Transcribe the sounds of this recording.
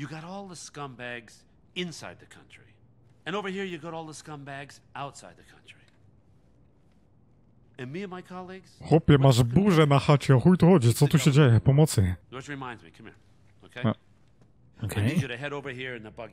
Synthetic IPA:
jɨɡɑɾɔlˠðəskʌ̃mbæɡz̥ | ɪ̃nsaɪd̪̚ðɨkʰʌ̃nt͡ʃɹ̥i | ɨ̃ñoʊvə˞ɦiɹjɨɡɑɾɔlˠðəskʌ̃mbæɡzaʊtsaɪd̪̚ðɨkʰʌ̃nt͡ʃɹ̥i | ɨ̃nmiɨ̃nmaɪkʰɑlˠiɡz̥xɔpʲjɛmaʒbuʐɛnaxat͡ɕɛɔxujt̪uxɔd͡ʑitsɔt̪uɕɛd͡ʑejɛpɔmɔt̪sɨwɨt͡ʃɹɨmãɪ̃ndzmḭkʰʌ̃mḭ | oʊkʰe | okʰeɡɨɾɨɦɛɾoʊvə˞ɦiɹɨ̃nðəbʌɡ

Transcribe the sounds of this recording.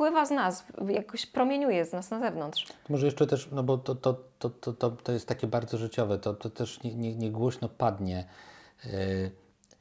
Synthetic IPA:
wɘvaznasjakɔɕpɾɔmʲjeɲujɛznasnazɛvnɔnt̪ʂɔmɔʐɛjɛʂt͡ʂɛt̪ɛʂnɔbɔt̪ɔt̪ɔt̪ɔt̪ɔt̪ɔt̪ɔjɛst̪ːakʲɛbaɾd̪zɔʐɘt͡ɕɔvɛt̪ɔt̪ɔt̪ɛʂɲɛɲɛɲɛɡwɔɕnɔpad̪ɲɛ

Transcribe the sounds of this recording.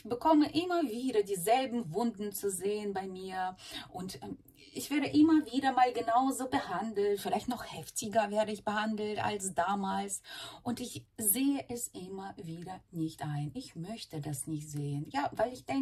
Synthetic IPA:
ɪçb̥əkʰɔməʔɪmɐviːɾɐdiːzɛlbm̩vʊndn̩t͡suzeːənbaɪmiːɐʔʊntɛ | ɪçv̥ɛːɐɾəʔɪmɐviːɾɐmaːlɡənaʊzoːbəhandl̩tfɪlaɪçtnɔχhɛftɪɡɐvɛːɐdəɪçb̥əhandl̩ta̰lsd̥aːmaːlsʔʊntɪçzeːəʔɛsʔɪmɐviːdɐnɪçtʔaɪnʔɪçmœçtədasnɪçtz̥eːənjaːvaɪlɪçd̥ɛŋ

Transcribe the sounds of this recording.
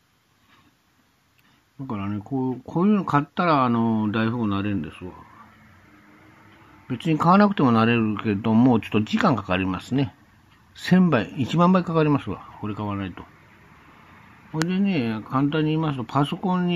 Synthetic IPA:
d̪̥akaɾane̞kokʰo̞ːjɯ̟ːnokat̪ːaɾaːno̞d̪aiɸɯmonaɾeɯ̃nd̪e̞sɨβa̰ | be̞t͡sɨɲ̟ikaβ̞anakɯ̟t̪e̞mo̞naɾe̞ɾɯ̟ked̪o̞mo̞ːt͡ɕo̞̥t̪ːod͡ʑikãŋkakaɾʲimasɨne̞ | sẽ̞mbaiit͡ɕimãmbaikakaɾʲimasɨβa̰ko̞ɾe̞kaβanait̪o̞̥ | oed̪e̞ne̞kʰãnt̪̬ãɲ̟ːiːmasɨ̥t̪opʰaso̞kõɲ̟ːi

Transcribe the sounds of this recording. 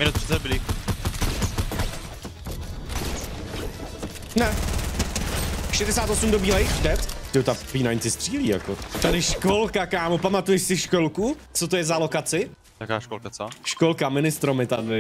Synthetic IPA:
mɪnut̪̚psɪ̥t͡sɛdbɪlɪ | nɛ | ʃɛdɛsaːt̪o̞sumdo̞biːlɛjdɛt̪t̪ɪot̪afiːnajnsɪst̪r̥iːliːja̰kot̪adɪʃko̞lkakaːmopamat̪ujɛʃsɪʃkolku | t͡sot̪ojɛzalo̞kat͡sɪ | jakaːʃkolkat͡soʃkolkamɪnɪst̪ɾomɪt̪a

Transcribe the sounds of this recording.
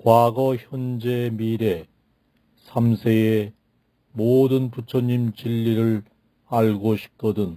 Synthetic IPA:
kwaɡʌçjʌnd͡ʑe̞miɾe̞ | sʰamsʰee | modɯnput͡ɕʰʌɲimt͡ɕiʎːiɾɯɭ | aɭɡoɕʰi̥k̚k͈ʰʌdɯn

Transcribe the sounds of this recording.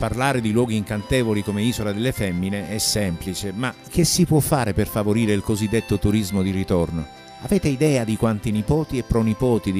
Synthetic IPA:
parlaːɾed̪ilwɔːɡiːŋkant̪eːvolikomeiːzolad̪elːefɛmːineɛsːɛmplit͡ʃemak̟ːesːipwɔfːaːɾeperfavoɾiːɾeilkozid̪ːet̪ːot̪uɾizmod̪irit̪orno | avɛːt̪eid̪ɛːad̪ikwant̪inipɔːt̪iepːɾɔnipɔːt̪id̪

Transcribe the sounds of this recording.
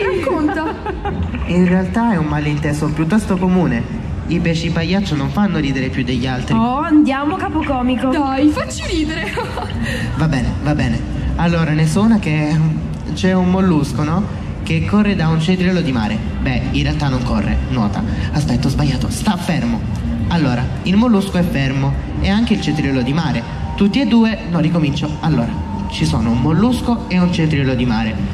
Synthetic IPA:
ɾakːont̪a | inrealt̪aɛumːalint̪ɛːsopjut̪ːɔst̪okomuːne | ipɛːʃipajːat͡ʃːonoɱfanːoɾiːd̪eɾepjud̪ːeʎːalt̪ɾiɔand̪jaːmokaːpokɔːmikod̪ajfat͡ʃːiɾiːd̪eɾe | vabːɛːnevabːɛːne | alːoːɾanesonak̟e | t͡ʃɛummolːuskonɔ | k̟ekːorːed̪aunt͡ʃẽnt̪ɾilod̪ima̰ːɾe | bɛinrːealt̪anːoŋkorːḛnwɔ̰ːt̪a̰aspɛt̪ːozbaʎːaːt̪ost̪afːermo | alːoːɾailmolːuskoɛfːermo | eaŋk̟eilt͡ʃent̪ɾilod̪imaːɾe | t̪ut̪ːied̪ːuːenɔrːikomint͡ʃoalːoːɾa | t͡ʃiso̰ːnoummːolːuskoeunt͡ʃet̪ɾilod̪imaːɾe

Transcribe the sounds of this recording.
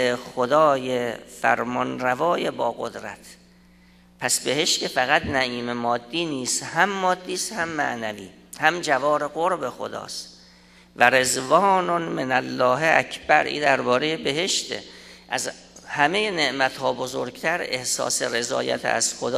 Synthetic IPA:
exod̪ɒːjefæ̰ɾmɒnɾævɒːjebɒːɣod̪ɾæ̰t̪ʰ | pʰæsbe̞heʃt̪kʰefæɣæt̪næʔiːmemɒːd̪ːiːniːst̪hæmːɒːd̪ːiːst̪hæmːæ̰ʔnævḭː | hæmd͡ʒævɒːɾeɣoɾbe̞xo̞̰d̪ɒ̰ːst̪ | væɾezvɒːnonmenælːɒːɦeʔæcʰb̥æɾʔḭːd̪æɾbɒːɾejebe̞ɦe̞ʃt̪ḛʔæz | hæme̞jene̞ʔmæt̪hɒːbozoɾɡt̪ʰæɾe̞hsɒ̰ːseɾe̞zɒ̰ːjæ̰t̪ʰæ̰z̥xod̪

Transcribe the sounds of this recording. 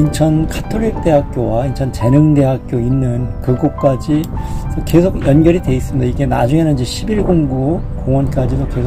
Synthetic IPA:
int͡ɕʰʌnkʰatʰoɾik̚t͈e̞ɦak̚k͈jowaint͡ɕʰʌnt͡ɕe̞nɯŋde̞ɦak̚k͈joinːɯnkɯɡok̚k͈ad͡ʑisʰʌke̞sʰoɡjʌnɡjʌɾide̞is͈ɯmidaiɡe̞nad͡ʑuŋe̞nɯnd͡ʑeɕʰibiɭɡoŋɡu | koŋwʌnk͈ad͡ʑidoke̞sʰ

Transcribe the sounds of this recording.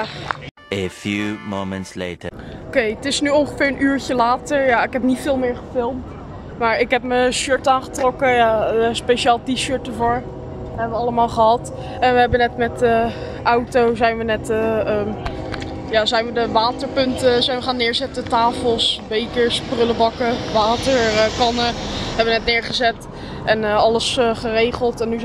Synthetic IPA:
əfjumomə̃ntslḛːtəokejətɪsnyɔŋχəfɪːɹənʔyːɹcəlaːtəɹjaɪkɦɛpnitfɪːlˠmɪːɹχəfɪlˠmt | maːɹɪkɦɛp̚məʃøɹtaːnχətrɔkəjaspejʃəaːlˠtiʃøɹt̚dəvʊːɹ | ɦɛbəʋəɑləmaːlˠχəɦɑt | ɛnʋəɦɛbənɛtmɛtə | ʔawtowzɛjnʋənɛtəə | jaːzɛjnʋədəʋaːtəɹpɵntəzɛjnʋəχaːnːɪːɹzɛtətaːfəlˠsbejkəɹsprɵləbɑkəʋaːtəɹkɑnəɛbəʋənɛtnɪːɹχəzɛt | ʔɛnəɑləsχərejχəlˠtɛnːy

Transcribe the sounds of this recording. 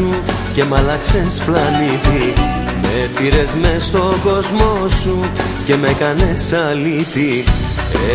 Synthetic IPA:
u | ce̞mɐlɐkse̞splɐnit̪i | mepiɾezme̞st̪o̞ɡo̞zmo̞su | ce̞me̞kɐne̞sɐlit̪i | e

